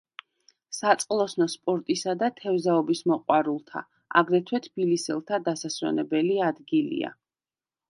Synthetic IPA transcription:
sat̪sʼqʼlˠɔsnɔspʼɔɾt̪ʼisad̪at̪ʰɛvzaɔbismɔqʼwaɾulˠt̪ʰa̰ | a̰ɡɾɛt̪ʰwɛt̪ʰb̥ilisɛlˠt̪ʰad̪asaswɛ̰nɛbɛliad̪ɡilḭa̰

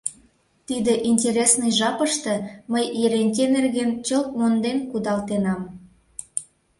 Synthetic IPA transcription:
t̪id̪ĕʔinʲtʲeɾʲesnɨjʒɑpəʃt̪ĕməjjeɾenʲtʲenerɣent͡ɕok̚mond̪enkud̪ɑlt̪enɑm

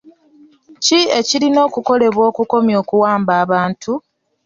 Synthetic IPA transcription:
cie̞ciɾino̞ːkuko̞le̞βwo̞ːkuko̞mjo̞ːkuwaːmbaːβaːntʰu

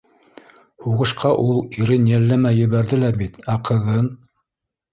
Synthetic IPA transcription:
huʁɤ̆ʃqʰɑʔulˠiɾɘnjælːæmæjːɘ̆βæɾðɘlæbit̪æqʰɤ̆ðɤn

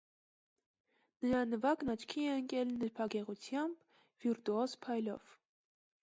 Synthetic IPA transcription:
nəɾɑnəvɑknɑt͡ʃʰkʰiɛəŋkɛlnəɾpʰɑɡɛʁut͡sʰjɑmb | viɾt̪uɔzpʰɑjlɔ̰v̥

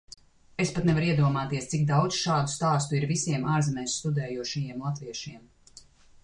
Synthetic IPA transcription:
espat̪nɛvaɾiɛd̪uɔmaːt̪iɛst̪sik̚d̪awd̪zʃaːd̪u̥st̪aːst̪uiɾvisiɛmʔaːɾzɛmɛːsst̪ud̪ɛːjuɔʃijiɛmlˠat̪viɛʃiɛm

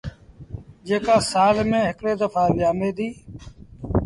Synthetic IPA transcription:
d͡ʒeːkaːsaːlmẽːɦɪkɽeːd̪əfʰaːʋɪjaːmeːd̪iː

